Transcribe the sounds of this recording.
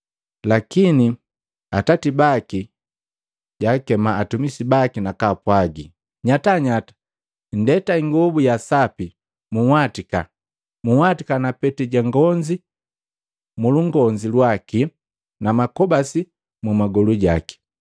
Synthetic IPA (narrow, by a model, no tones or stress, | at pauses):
lakini | atatibaki | ɟakɛmaːtumisibakinakapwaɡi | ɲataɲatḁ | ndɛtaiŋɡɔbujasapi | muhwatika̰ | muwatikanapɛtiɟaŋɡɔɲd͡ʒi | muluŋɡɔɲd͡ʒilwaki | namakɔbasi | mumaɡɔluɟa̰ki̥